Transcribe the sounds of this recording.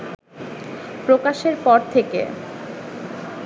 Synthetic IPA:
pɾokaʃeɾpɔɾt̪ʰekḛ

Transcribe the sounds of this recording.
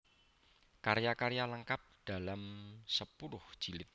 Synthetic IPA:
kaɾjakaɾjaləŋkap̚d̥a̤lamsəpuɾʊhʒ̥ilɪt̪̚

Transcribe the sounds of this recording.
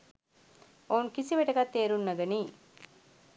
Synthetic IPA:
ounkisiʋeʈɐkat̪ːeːɾunːɐɡɐniː

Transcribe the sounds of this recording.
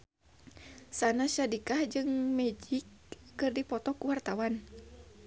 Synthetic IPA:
sanaʃadikahd͡ʒɨŋmɛd͡ʒikː | ɨrdipɔt̪ɔkuwart̪awan

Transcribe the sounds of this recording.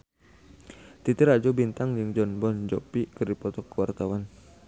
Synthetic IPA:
t̪it̪iɾad͡ʒɔbint̪aŋd͡ʒɨŋd͡ʒɔnbɔnd͡ʒɔpikɨrdipɔt̪ɔkːəwart̪awan

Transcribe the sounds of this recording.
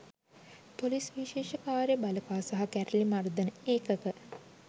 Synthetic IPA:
polisʋiʃeːʃəkaːɾjəbaləkaːsaɦakæɾəlimard̪ənəeːkəkə

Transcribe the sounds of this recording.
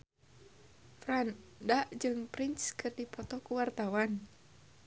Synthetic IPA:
fɾandaʔd͡ʒɨŋpɾinskɨrdipɔt̪ɔkuwart̪awan

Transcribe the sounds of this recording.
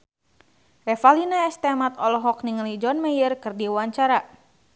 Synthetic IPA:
rɛfalinaɛst̪ɛmat̪ɔlɔɦɔk̚niŋəlid͡ʒɔnmɛjərkɨrdiwaɲt͡ʃaɾa

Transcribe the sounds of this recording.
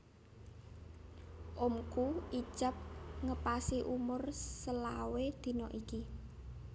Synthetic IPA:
ʔʊmkui̥ʒ̥əp̚ŋəpasiʔumʊrsəlawed̪̥i̤nɔʔiki

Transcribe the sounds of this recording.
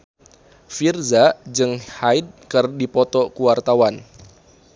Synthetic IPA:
firzad͡ʒɨŋhaid̚kɨrdipɔt̪ɔkuwart̪awan

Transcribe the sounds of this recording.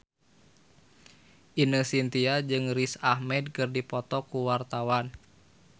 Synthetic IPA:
ʔinəsint̪iad͡ʒɨŋrisahmɛd̚kɨrdipɔt̪ɔkuwart̪awan

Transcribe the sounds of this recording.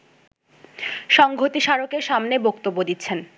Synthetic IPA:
ʃɔŋɡʱot̪iʃaɾokeɾʃamnebokt̪obːod̪it̪ːɕʰen

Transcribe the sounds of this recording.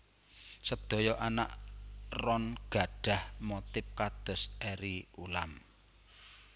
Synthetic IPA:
səd̪̥ɔ̤jɔʔana̰ʔrɔnɡ̥a̤ɖ̥a̤hmɔt̪ɪp̚kad̪̥ɔ̤sɛɾiulam

